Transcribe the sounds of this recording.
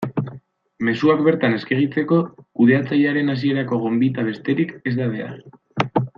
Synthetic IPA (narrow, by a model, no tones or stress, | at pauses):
me̞suakbe̞ɾt̪ane̞ske̞ɣ̞it͡se̞ko̞kuðe̞at͡saʎaɾe̞nas̬ie̞ɾako̞ɣ̞o̞mbit̪aβ̞e̞st̪e̞ɾike̞zd̪aβ̞e̞a̰ɾ